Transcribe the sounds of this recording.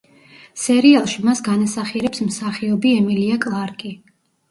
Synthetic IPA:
sɛɾialˠʃimasɡanasaχiɛɾɛpsmsaχiɔbiɛmiliakʼlˠaɾkʼi

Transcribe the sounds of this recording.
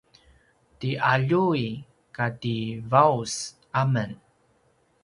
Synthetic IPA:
tiʔaʎui | kativaus | amən

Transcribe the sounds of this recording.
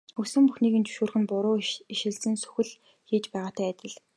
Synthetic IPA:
xɵsɘ̆mpuxniːɣɘ̆nt͡ɕɵ̥ʃuːrxɘ̆npʊɾʊːiʃɪ̆ɮsɘ̆nsɵ̥xɘ̆ɮ | xiːt͡ɕpæːʁaːt̪ʰæːæt̪ʲɪ̆ɮ

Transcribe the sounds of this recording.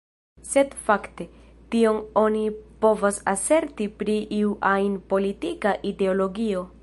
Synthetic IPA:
se̞dfakte̞ | tio̞no̞nipo̞vasase̞ɾtipɾiʔiuʔajnpo̞litikaʔide̞olo̞ɡio̞

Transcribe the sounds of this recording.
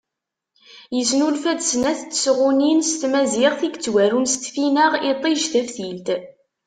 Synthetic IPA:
jəsnulfæd̪snæθt͡sːə̥sʁʊninst̪mæziʁθiɡət͡sːwæɾunst̪finəʁɪt̪ˤːiʒθəfθilt̪

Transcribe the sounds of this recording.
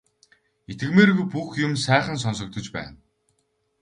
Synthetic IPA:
et̪ɡɘ̆ɣmeːɾɣujpuxjʊmsæːχə̆ns̬ɔns̬ɞ̆k̚t̪ʰɞ̆t͡ɕpæ̰ːn

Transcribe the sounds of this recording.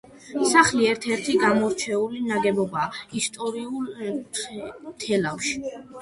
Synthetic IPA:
saχliɛɾt̪ʰɛɾt̪ʰiɡamɔɾt͡ʃʰɛulinaɡɛbɔbaːist̪ʼɔɾiul | t̪ʰɛlafʃi̥

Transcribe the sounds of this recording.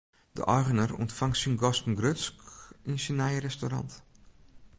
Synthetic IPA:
d̥ə̰ʔɔjɣənərɔ̰ntfaŋtsinɡɔstn̩ɡrøt͡skinsinajrɛstoɾa̰nt

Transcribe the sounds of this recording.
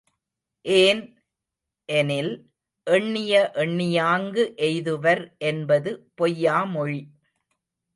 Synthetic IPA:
ʔeːn | ʔɛnɪl | ʔɛɳːɪjɐʔɛɳːɪjaːŋɡɯʔɛjðɯʋɐɾʔɛnbɐðɯpɔjːaːmɔɻi

